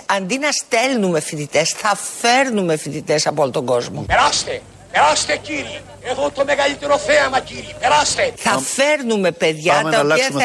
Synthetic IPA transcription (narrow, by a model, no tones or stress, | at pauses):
ɐnd̪inɐst̪elnumefit̪it̪esθɐfeɾnumefit̪it̪esɐpoolot̪oŋɡozmopɛɾast̪e | peɾast̪ekːiːɾi | eɣot̪omeɡaʎit̪eɾofɛamakiːɾipɛɾast̪eθɐfeɾnumepeðʝɐt̪ɐolpiɐ